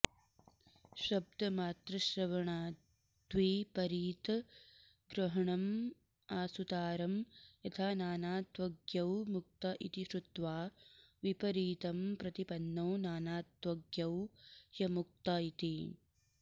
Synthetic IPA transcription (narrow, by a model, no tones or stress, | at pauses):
ʃɐb̚d̪ɐmaːt̪ɾɐʃɾɐʋɐɳaː | d̪̥ʋiːpɐɾiːt̪ɐ | ɡɾɐɦɐɳɐm | aːsut̪aːɾɐmjɐt̪ʰaːnaːnaːt̪ʋɐɡjɐwmuk̚t̪ɐʔḭt̪iʃɾut̪ʋaːʋipɐɾiːt̪ɐmpɾɐt̪ipɐnːɐːnaːnaːt̪ʋɐɡjɐwjɐmuk̚t̪ɐit̪i